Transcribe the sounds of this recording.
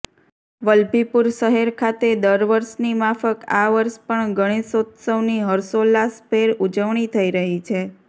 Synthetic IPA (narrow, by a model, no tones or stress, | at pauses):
ʋəlbipuɾʃəɦeɾkʰat̪ed̪əɾʋəɾʃnimafəkaʋəɾʃpəɳɡʱəɽ̃isot̪səʋniɦəɾsolaspʰeɾud͡ʒəʋɳ̃it̪ʰəiɾəɦit͡ʃʰe